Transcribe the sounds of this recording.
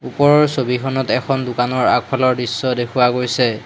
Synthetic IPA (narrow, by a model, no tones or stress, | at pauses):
upɔɹɔɹsobikʰɔnɔtɛkʰɔndʊkanɔɹa̰k̚pʰalɔɹdisːɔdekʰuwaɡojsɛ